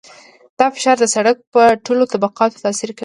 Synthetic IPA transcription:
d̪̥ɑfɪ̥ʃɑɾd̪əsaɽak̚pəʈolot̪abaqɑt̪o̥t̪ɑsiɾka

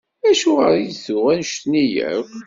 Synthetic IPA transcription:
æʃʊʁəɾijsʊʁænʃt̪nijə̰v

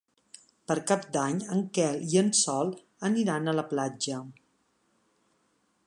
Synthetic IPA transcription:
pəɾkap̚d̪aɲəŋkɛliənsɔlˠ | əniɾanələplad͡ʒə

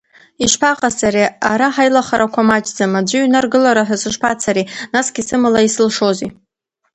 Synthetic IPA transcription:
iʃpʰaqʼataɾeaɾaħajlaχaɾakʷʰamat͡ʃʼd͡zamad͡ʒʷɨɥnarɡɨlaɾaħʷᶣasɨʂpʰat͡sʰaɾinasɡʲisɨmalaisɨlʂo̞zḭ

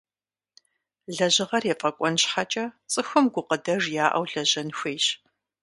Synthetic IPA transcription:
ɮɐʑɪʁɐrjɛfʼɐkʷʼɔnɕħat͡ʃʼɐt͡sʼɨxʊmɡʷʊqədɐʐjaːʔɐ̰wɮɐʑɐnxʷeːjɕ

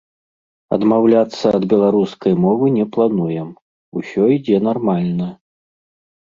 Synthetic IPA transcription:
ɐ̰d̪mawlʲat̪sːɐːd̪bʲɛlˠaɾuskɐjmɔvɨnʲɛplˠanujɛm | usʲɔid͡zʲɛn̪armalʲnɐ

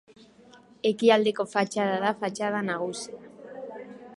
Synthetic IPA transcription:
e̞kiald̪e̞ko̞fat͡ʃað̞aðafat͡ʃað̞anaɣ̞usia

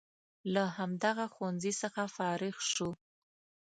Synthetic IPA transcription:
lahamd̪aɣaxwanzisəxafɑɾɪxʃu

